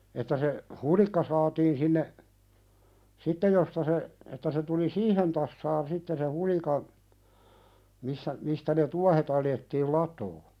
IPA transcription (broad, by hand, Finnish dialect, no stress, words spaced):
etːæ se hulikːɑ sɑːtiːn sinːe sitːej jostɑ se etːæ se tuli siːhen tɑsːɑːn sitːe se hulikɑn misːæ mistæ ne tuɑhet ɑljetːiːl lɑtˑoː